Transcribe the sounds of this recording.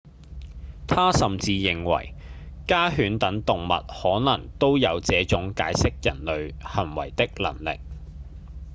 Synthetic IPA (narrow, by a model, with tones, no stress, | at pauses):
t̪ʰaː˥sɐ˨mt͡siː˧jɪ˨ŋwɐ̰˨˩jkaː˥ɦyː˨˥nt̪ɐ˨˥ŋt̪ʊ˨ŋmɐ̰˨t̚hɔː˨˥nɐ˨˩ŋt̪o˥wjɐ˨˧wt͡sɛː˨˥t͡sʊ˨˥ŋka̰ː˨˥jsɪ˥k̚jɐ̰˨˩nlɵ˨˧ɥhɐ˨˩nwɐ̰˨˩jt̪ɪ˥k̚lɐ̰˨˩ŋlɪ̰˨k̚